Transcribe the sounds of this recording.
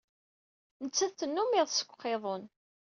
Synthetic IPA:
nət͡sːæθθənːumiʁðˤsə̥kʷːqːeðˤon

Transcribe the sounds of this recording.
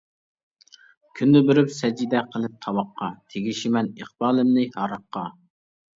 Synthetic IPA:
kʲʰynːɪbɪɾypsɛd͡ʒid̪ɛqʰəlˠɪp̚t̪ʰɑwɑqːɑt̪ʰeɡʲiʃimɛnəχbɑːlˠɨmnɪhɑɾɑqːɑ

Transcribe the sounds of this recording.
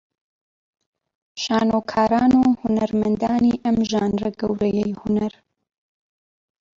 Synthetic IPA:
ʃaːnoːkʰaːɾaːnuːhunɐɾmɐnd̪aːniʔɐmʒaːnrɐɡɐwɾɐjɛjhunɐɾ

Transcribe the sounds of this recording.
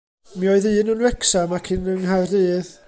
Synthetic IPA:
miɔɨðɨːnənwɛksamakʰɪnəŋɦarɨːð

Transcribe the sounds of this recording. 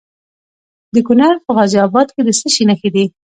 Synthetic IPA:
d̪əkʊnaɾpəɣɑziɑbɑd̪ked̪əsəʃinaxed̪i

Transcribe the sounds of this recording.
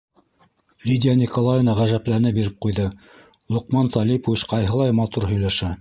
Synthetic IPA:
lʲidʲɪanʲikolˠajnɑʁæʒæplæɾnɘbiɾɘp̚qujðɤ | lˠuqmɑnt̪ɑlʲipovʲit͡ɕqɑjɦɤ̆lˠɑjmɑt̪uɾɦɵ̆jlæʃæ

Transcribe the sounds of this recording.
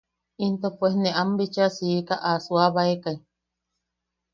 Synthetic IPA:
int̪opʷesneʔambit͡ʃasiːkaʔasuaβaekai

